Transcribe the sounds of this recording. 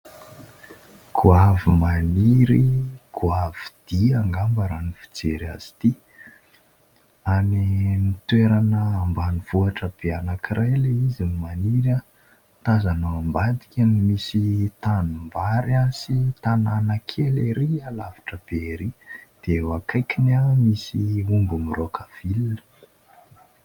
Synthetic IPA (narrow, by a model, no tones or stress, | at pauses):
kʰuavimaniɾikʰuavid̪̥iaŋɡambəɾanifi̥t͡seɾa̰z̥i̥t̪i | animit̪weɾanəːmbaniv̥uaʈ͡ʂəb̥eanakiɾʔajleizinimaniɾa | t̪azanaambad̪i̥kʲanimisit̪anumbaɾansit̪ananəkʰeleɾialavi̥ʈ͡ʂəb̥eɾid̪̥ewakʰajkinamisiumbumirokʰav̥ilə̥